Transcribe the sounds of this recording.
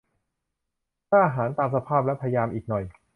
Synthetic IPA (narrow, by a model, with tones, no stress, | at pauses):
t̪ʰaː˥˩ʔa˧ɦaː˩˦nt̪aː˧msa˧pʰaː˥˩p̚lɛ˦˥wpʰa˧ja˧jaː˧mʔiː˨˩k̚nɔ˨˩j